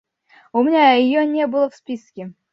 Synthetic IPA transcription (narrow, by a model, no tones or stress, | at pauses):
umnʲaɪjonʲebɨlˠəfspʲiskʲe